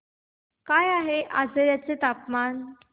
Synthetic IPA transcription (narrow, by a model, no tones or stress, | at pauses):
kajaɦeʔad͡zəɾjat͡set̪apman